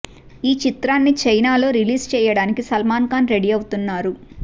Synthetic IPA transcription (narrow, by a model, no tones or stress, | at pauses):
iːt͡ʃit̪ɾaːnːit͡ʃɐjnaːlo̞ːɾiliːst͡ʃɛːjɐɽaːnikisɐlmaːnkaːnɾe̞ɽiɐwut̪unːaːɾu